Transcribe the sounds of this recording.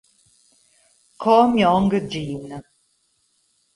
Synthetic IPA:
kʰɔmiɔŋɡəd͡ʒiːnə

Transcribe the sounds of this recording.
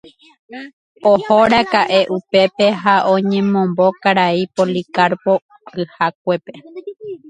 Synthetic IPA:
ohoɾakaʔe̞ʔupe̞pe̞ɦaʔõɲẽ̞mõ̞mbo̞kaɾaipolikaɾpo̞ | ɨhak̚ʷe̞pe̞

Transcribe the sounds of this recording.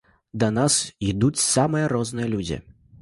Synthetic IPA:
d̪ɐnasid̪ut͡sʲsamɨjɐɾɔznɨjɐlʲud͡zʲḭ

